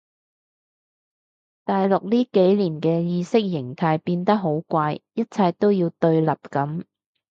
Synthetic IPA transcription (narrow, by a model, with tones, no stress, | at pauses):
t̪aː˨jlʊ˨k̚liː˥ke˨˥jliː˨˩nkɛː˧jiː˧sɪ˥k̚jɪ˨˩ŋt̪ʰaː˧jpiː˧nt̪ɐ˥k̚ɦo˨˥wkʷaː˧jjɐ˥t̚t͡sʰɐ˧jt̪o˥wjiː˧wt̪ɵ˧ɥlɐ˨p̚kɐ˨˥m